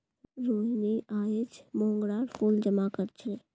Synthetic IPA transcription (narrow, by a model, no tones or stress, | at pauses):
ɾoːɦniʔaːjed͡ʒmõːŋɡɽaːɾpʰuːld͡ʒəmakəɾt͡ʃʰə